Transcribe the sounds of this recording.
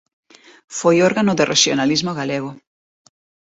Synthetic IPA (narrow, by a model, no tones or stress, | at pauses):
fojoɾɣanʊðerʔeʃjonalizmoɣaleɣo